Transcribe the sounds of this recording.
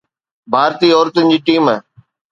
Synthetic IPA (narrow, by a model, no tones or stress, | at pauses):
bʱaːɾt̪iːɔːɾt̪ənɪd͡ʑiːʈiːmɛː